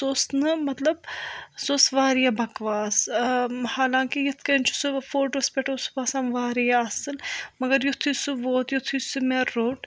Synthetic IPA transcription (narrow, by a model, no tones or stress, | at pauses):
soːsnɨmɐt̪lɐb̚soːsʋaːɾijabɐkʋaːs | haːlãːŋkijɐt̪ʰkɐnʲt͡ʃʰu̥sɨfoːɾʈɐspʲeʈʰɐsu̥paːsaːnʋaːɾijaɐsɨlmɐɡɐɾjut̪ʰusuʋoːt̪jut̪ʰujsɨmeːɾːoːʈ